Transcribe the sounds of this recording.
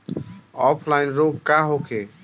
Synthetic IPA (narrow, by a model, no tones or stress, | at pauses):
ɔpʰlajnɾoɡ̚kaɦokʰe